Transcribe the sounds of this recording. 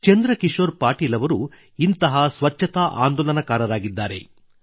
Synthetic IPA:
t͡ʃend̪ɾɐkiʂoːɾpaːʈiːlɐʋɐɾu | int̪ɐɦɐsʋɐt͡ʃʰːɐt̪ɐʔa̰ːnd̪oːlɐnɐkaːɾɐɾaːɡid̪ːaːɾe̞̰

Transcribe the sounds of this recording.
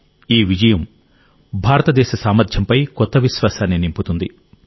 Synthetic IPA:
iːʋid͡ʒɐjɐm | bʱaːɾɐt̪ɐd̪ɛːʃɐsaːmɐɾd̪ʱjɐmpɐjkɔt̪ːɐʋiʃʋaːsaːnːinimput̪und̪i

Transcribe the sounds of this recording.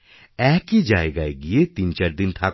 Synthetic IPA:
ɛːkid͡ʒaːeɡaːeɡiet̪iːnt͡ʃaːɾd̪ɪnt̪ʰaːk

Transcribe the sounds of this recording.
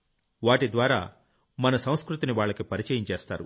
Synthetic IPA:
ʋaːʈid̪ʋaːɾa̰ː | mɐnɐsɐ̃w̃skɾut̪iniʋaːɭːɐkipɐɾit͡ʃɐːjiɲt͡ʃeːst̪a̰ːɾṵ

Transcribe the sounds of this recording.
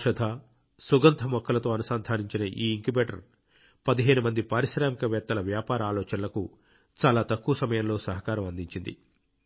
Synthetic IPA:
ʂɐd̪ʱaː | suɡɐnt̪ʰɐmɔkʰːɐlɐt̪o̞ːɐnusaːnd̪ʱaːniɲt͡ʃinɐʔiːiŋkibeːʈɐ̰ɾ | pɐd̪iɦeːɽumɐnd̪ipaːɾiʃɾaːmikɐʋɛːt̪ːɐlɐʋjaːpaːɾɐaːlɔːt͡ʃɐnlɐku | t͡ʃaːlaːt̪ɐkːuːɐsɐmɐjɐmlo̞ːsɐɦɐkaːɾɐmɐnd̪iɲt͡ʃind̪ḭ

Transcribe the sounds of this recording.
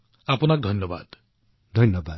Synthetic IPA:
apɔnak̚d̪ʱʌnjɔba̰d̪ | d̪ʱʌnjɔba

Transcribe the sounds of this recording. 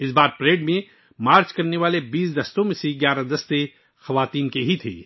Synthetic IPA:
ɪsbaːɾpɾeːɖmẽ | maːɾt͡ʃkɐɾneʋaːlebiːsd̪ɐst̪õmẽseɡjaːɾad̪ɐst̪e | xɐʋaːt̪iːnkeɦit̪ʰḛː

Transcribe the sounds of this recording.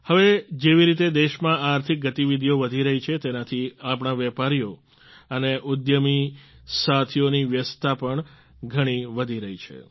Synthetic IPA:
həʋed͡ʒeʋiɾit̪ed̪eʃmãaːɾt̪ʰik̚ɡət̪iʋid̪ʱijoʋəd̪ʱiɾəɦit͡ʃʰet̪enat̪ʰiapɳ̃aʋɛpaɾijo | əneʔud̪jəmisat̪ʰijoniʋjəst̪ʰapəɳ | ɡʱəɽ̃iʋəd̪ʱiɾəɦit͡ʃʰḛ

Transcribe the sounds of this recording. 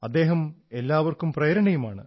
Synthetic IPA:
ɐd̪ːe̞ːɦɐme̞lːaːʋɐrkumprɐjɾɐɳɐjumaːɳɨ̰

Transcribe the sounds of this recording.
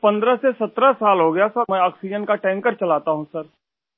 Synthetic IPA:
pɐ̃nd̪ɾəsesɐt̪ɾəsaːlɦoɡɐjasɐmɛ̃ɔːksid͡ʒənkaʈɛ̃ːŋkəɾt͡ʃɐlaːt̪aɦũsɐɾ

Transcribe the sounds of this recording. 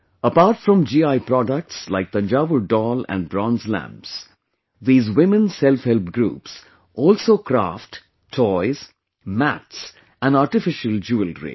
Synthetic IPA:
əpaːɾʈfɾɔ̃md͡ʒiːaɪpɾɔɖək̚ʈslaɪk̚d̪̥ə̃nd͡ʒaʋəɖɔːlæ̰̃nbɾɔ̃nzlæ̰̃mps | ðiːzwɪ̃mə̃nsɛlfhɛlpɡɾṵːps | ʔɔːlsoːkɾa̰ːfʈ | tʰɔɪz̥ | mæts | æ̃naːɾʈɪfɪʃəld͡ʒuəlɾḛ

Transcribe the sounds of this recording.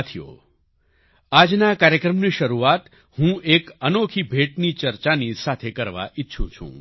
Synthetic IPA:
t̪ʰijo̰ | ad͡ʒnakaɾjəkɾəmniʃəɾuat̪ | hũekənokʰibʱeʈnit͡ʃəɾt͡ʃanisat̪ʰekəɾʋa̰ʔɪtːʃʰṵ̃t͡ʃʰṵ̃

